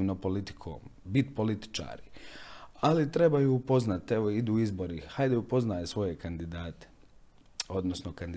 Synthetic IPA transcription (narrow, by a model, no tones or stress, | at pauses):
nopo̞lit̪i̥kʰo̰ːmbit̪po̞lit̪i̥t͡ʃa̰ːɾi | alit̪ɾe̞bajuːpo̞znat̪eʋoid̪uːizbo̞ɾihajd̪eupo̞znaːjesʋo̞je̞kand̪id̪aːt̪e̥ | o̞d̪nosnokand̪